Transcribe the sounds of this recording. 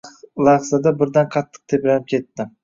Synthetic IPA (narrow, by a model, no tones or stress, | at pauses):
lˠɑχsad̪abɪɾd̪anqʰɑt̪ʰːɨ̥q̚t̪ʰepɾanɪp̚kʲʰe̞t̪ːɪ